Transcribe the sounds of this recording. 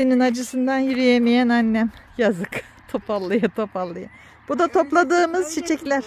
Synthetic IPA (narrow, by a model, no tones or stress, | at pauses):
eninad͡ʒɯsɯnd̪anjiɾijemijænanːæmjazɯk | t̪ʰo̞pʰalˠːɯjɯt̪ʰo̞palˠːɯjɯ | b̥ud̪at̪ʰo̞plˠad̪ɯːmɯz̥t͡ʃʰit͡ʃʰɛclʲæɾ̥